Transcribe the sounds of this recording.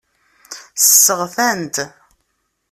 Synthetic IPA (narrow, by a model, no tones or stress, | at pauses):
səsːəʁθænt̪